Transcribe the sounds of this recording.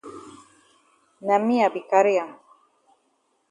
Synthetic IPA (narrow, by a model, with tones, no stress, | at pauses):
na˨mi˦a˨bi˨ka˨ɾi˦a˨